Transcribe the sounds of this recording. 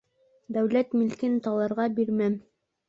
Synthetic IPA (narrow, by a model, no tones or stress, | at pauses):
d̪æwlæt̪milkɘnt̪ɑlˠɑɾʁɑbiɾmæm